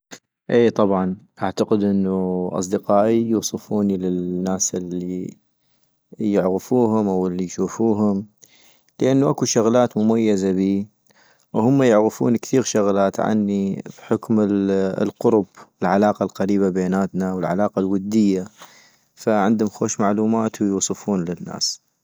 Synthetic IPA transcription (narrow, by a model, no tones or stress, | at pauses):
ʔeːt̪ˤɑbʕɑnʔaʕt̪aqəd̪ʔɪnːuʔɑ̰s̬ˤd̪ɪqɑːʔijuːsˤɨfuːnilɪnːaːsʔɪlːi | jɪʕɣɪfuːɦʊmʔawɪlːijʃuːfuːɦʊm | ləʔanːuʔakuʃʊɣlaːt̪mʊmajːazabiː | whʊmːajʊʕɣɪfṵːnkθiːɣʃʊɣlaːt̪ʕa̰nːibħʊkmɪlqʊɾʊbɪlʕalaːqalqaɾiːbabeːnaːt̪nawəlʕalaːqalwʊd̪ːɪjːa | faʕɪnd̪ʊmxoːʃmaʕluːmaːt̪wjuːsˤɨfuːnlɪnːa̰ːs